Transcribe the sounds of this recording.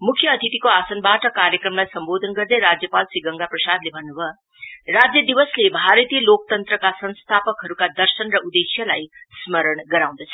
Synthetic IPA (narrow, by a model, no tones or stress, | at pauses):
mukʰːjʌːt̪ʰit̪ikoasʌnbaʈʌkaɾjʌkrʌmlajsʌmbod̪ʱʌnɡʌrd̪ʌjɾad͡zjʌpalsiɡʌŋɡaprʌsad̪lebʱʌnːubʱʌ | rad͡zjʌd̪ibʌslebʱaɾt̪ijʌlok̚t̪ʌnt̪rʌkasʌ̃ñst̪ʰapʌkɦʌɾukad̪ʌrsʌnrʌʔud̪esjʌlajsmʌɾʌɳɡʌɾaw̃d̪ʌt͡sʰʌ̥